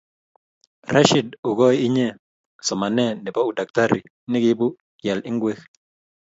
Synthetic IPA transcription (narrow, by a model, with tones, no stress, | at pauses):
ra˦ʃi˨du˨ɡɔ˦ɪ˦ɲe˦ | sɔ˨ma˨nɛ˦nɪ˨pɔ˦u˨da˨k̚ta˦ɾi˨ | nɪ˦ɡɪ˦bu˦ | kjɛ˨lɪ˦ŋɡwe˦x